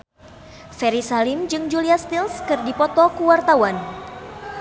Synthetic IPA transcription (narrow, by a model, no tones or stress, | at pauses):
fɛɾisalimd͡ʒɨŋd͡ʒuliast̪ilskɨrdipɔt̪ɔkuwart̪awan